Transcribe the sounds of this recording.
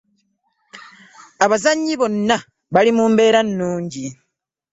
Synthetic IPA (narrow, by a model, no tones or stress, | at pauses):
aβazaɲːiβo̞nːa | βalimuːmbe̞ːɾanːuːɲɟi